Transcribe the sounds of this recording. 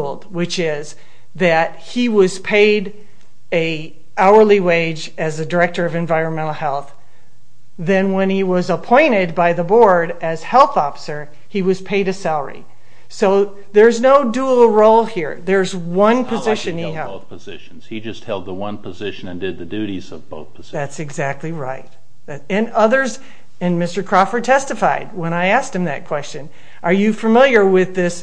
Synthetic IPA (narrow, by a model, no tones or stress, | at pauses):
lˠd̚wɨt͡ʃɪz | ðɨt̚hiwʌz̥pʰeɪɾ | ɨ | ʔaʊə˞liweɪd͡ʒ | ɨzɨdə˞ɛk̚tə˞ʌvɨ̃ɱvaɪɹɨ̃nmɛ̃ɾ̃l̩ˠhɛlˠθ | ðɨ̃nwə̃niwʌzəpʰɔ̃ɪ̃ɾ̃ɪd̚baɪðəbɔɹɾɨz̥hɛlˠθɔfə̥sə˞ | iwʌz̥pʰeɪɾɨsælˠə̰˞ḭ | soʊ | ðə˞znoʊdul̩ˠɹoʊlˠhiɹðə˞zwʌ̃npʰɨzɪʃɨ̃niɛʊpəzɪ̰ʃn̩z̥hid͡ʒʌst̚hɛlˠd̪̚ðəwʌ̃npʰɨzɪʃɨ̃nɨ̃ndɨd̪̚ðɨdʉɾizʌvboʊθpʰəz̥ðætsɨɡzæk̚tˡliɹaɪt̪̚ | ð | ɨ̃nʌðə˞z | ɨ̃nmɪstə˞kʰɹ̥ɑfə˞tʰɛstɨfaɪd̚wə̃ɾ̃aɪæst̚hɨ̃mðɨ̰t̚kʰw̥ɛst͡ʃɨ̃n | ʔə˞jɨfəmɪlˠjə˞wɪðɪs